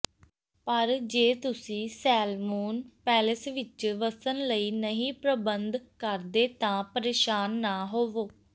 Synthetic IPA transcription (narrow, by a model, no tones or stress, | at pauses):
pəɾd͡ʒeːt̪ʊsĩːsɛːlmuːnpɛːləsʋɪt͡ʃʋəsənləiːnəɦĩːpɾəbənd̪kəɾd̪eːt̪ãːpəɾeːʃaːnːaːɦoːʋoː